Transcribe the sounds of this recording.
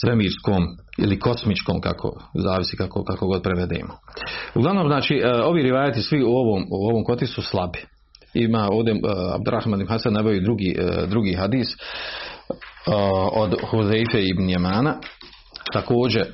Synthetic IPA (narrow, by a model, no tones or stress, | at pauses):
sʋemiːɾskoːmḭlikʰo̞smit͡ʃko̞ːmka̰kʰo̞̰zaːʋisiːkakokakoɡo̞d̪̚pɾeʋed̪ḛːmouɡlaʋnoːmznaːt͡ʃiːo̞ʋiːɾiʋaːjet̪isʋiuoʋoːmuoʋoːmko̞t̪isuslˠabi̥ | imaːo̞ːʋd̪ea̰b̚d̪uɾa̰hmaːninɦasad̪naʋejouid̪ɾuɡiːd̪ɾuɡiːɦad̪iːs | od̪huzejfeːibnjemaːna | t̪ako̞ːd͡ʑe